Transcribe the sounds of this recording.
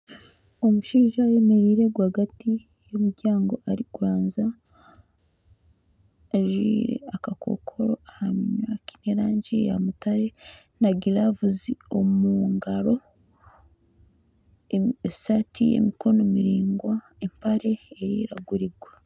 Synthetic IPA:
o̞muʃiːʒajeme̞ɾiɾe̞ɡwahɡati | jomuɾɟaːŋɡo̞ʔaɾikuɾaːnza | ʒiɾḛakakʰo̞̰kʰo̞ɾo̞ahamɲaki̥neɾaːɲɟija̰mutaɾe̞ | naɡiɾavuzio̞muŋɡaɾo̞ | satʰijḛmiko̞no̞miɾiːŋɡwa | empaɾe̞ːɾiɾaɡuɾiɡwa

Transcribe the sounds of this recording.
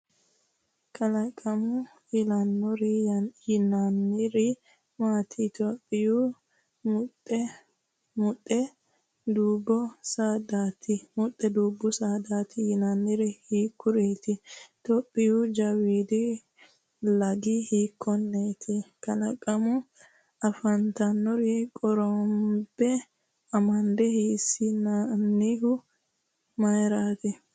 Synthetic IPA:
kʰɐlɐkʼːɐmʊ | jɪlɐnːɔɾɪjɪnanːɪɾɪ | maːt̪ʰɪt̪opʼːɪjʊ | mʊtːɛ | mʊtʼːɛ | d̪uːbːɔsad̪aːt̪ɪmʊt̪ʼːɛd̪uːbːʊsaːd̪aːt̪ɪjɪnɐnːɪɾɪhiːkːʊɾeːt̪ɪt̪ɔpʼːɪjʊd͡ʒɐwiːd̪ɪ | lɐɡɪhiːkːɔnːeːt̪ʰɪkɐnɐkʼːɐmʊ | ɐfɐnt̪ɐnːɔɾikʼɔɾɔmbɛ | ɐmɐnd̪ɛhiːsɪnɐnːɪhʊ | mɐjɾaːt̪ɛ

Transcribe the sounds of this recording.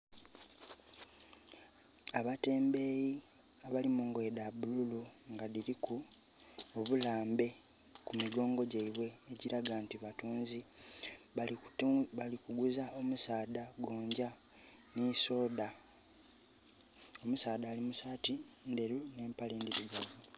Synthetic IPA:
aβate̞ːmbe̞ːji | aβalimuŋɡwe̞dabululuŋɡaðiɾiku | oβulaːmbe̞ | kumiɡo̞ːŋɡo̞ɟaiβwe̞ːɟiɾaɡantiβatuːnzi | alikuɡuzaomusaːdaɡo̞ːɲɟa | niso̞ːda | o̞musaːdaːlimusaːtinde̞ɾune̞ːmpale̞ːndiɾuɡavu

